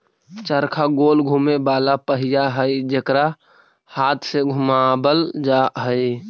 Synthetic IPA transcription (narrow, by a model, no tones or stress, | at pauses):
t͡ʃəɾkʰaɡoːlɡʱumebaːlapəɦɪjaɦəid͡ʒekɾa | haːt̪ʰseɡʱumabəld͡ʒaɦəi